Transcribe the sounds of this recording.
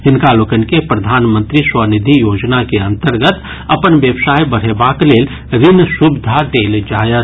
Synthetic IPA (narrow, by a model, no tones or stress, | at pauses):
ɦɪnkaːloːkənkepɾɐd̪ʱaːnmə̃nt̪ɾiswənɪd̪ʱijoːd͡ʒnakeə̃nt̪əɾɡət̪ | ɐpənʋjəbsaːjbəɽ̤ebaːkleːl | ɾɪnsʊbɪd̪ʱad̪eːld͡ʒaːjə